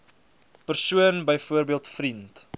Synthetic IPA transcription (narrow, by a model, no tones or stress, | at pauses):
pərsuənbəjfuərbiəlˠtfrint